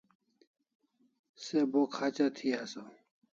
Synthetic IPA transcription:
sebokʰaːt͡ɕat̪ʰiaso

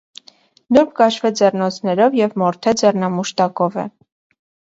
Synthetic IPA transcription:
nuɾpʰkɑʃvɛd͡zɛrnɔt͡sʰnɛɾɔvjɛvmɔɾt̪ʰɛd͡zɛrnɑmuʃt̪ɑkɔvɛ̰

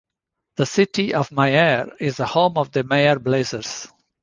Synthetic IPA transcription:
d̪̥əsɪʈiɔvmaɪɛɾɪzəhõːmɔvd̪əmeɪəɾbleːzəɾz̥

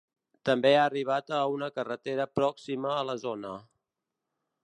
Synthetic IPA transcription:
t̪əmbeaːriβ̞at̪əunəkərət̪eɾəpɾɔksiməːləzonə

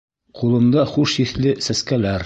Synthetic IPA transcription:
qulˠɤ̆md̪ɑχuʃiθlɘsæskælæɾ

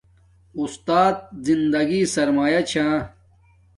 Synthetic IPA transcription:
ust̪aːt̪̚zind̪ɐɡisɐɾmaːjɐt͡ɕʰãː

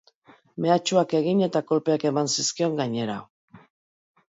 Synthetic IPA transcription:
me̞at͡ʃuake̞ɣ̞iɲe̞t̪ako̞lpe̞ake̞mansiskio̞ŋɡaɲe̞ɾa̰

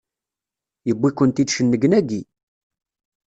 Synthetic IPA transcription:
jəbːikːənt̪id̪ʃənːəɡənæɡi

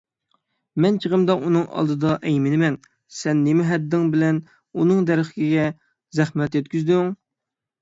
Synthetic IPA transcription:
mɛnt͡ʃʰəʁəmd̪ɑʔunɨŋɑ̰lˠd̪ɨd̪ɑʔɛjmɪnɪmɛn | sɛnːɪmɪɦɛd̪ːɪŋbɪlɛn | unɨŋd̪ɛɾəχɪ̥kʲiɡʲɛ | zæχmɛt̪jɛt̪̚kʲyzd̪yŋ

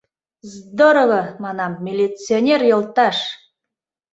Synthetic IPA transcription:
zd̪oɾovɤmɑnɑmːʲilʲit͡sionʲerjŏlˠt̪ɑʃ

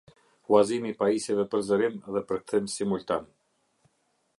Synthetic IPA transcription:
wazimipaisɛvɛpəɾzəɾimðɛpəɾk̚t̪imsimult̪an

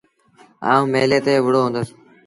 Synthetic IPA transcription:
a̰ːũːmeːleːt̪eːʋʊɽoːɦõːnd̪əs

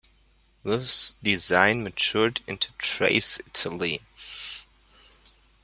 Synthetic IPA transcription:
ðɪsd̥ɪzãɪ̃nmɨt͡ʃʰʊɹdɪ̰̃ntʰu̥tʰɹ̥ḛɪsɪtʰəlˠi

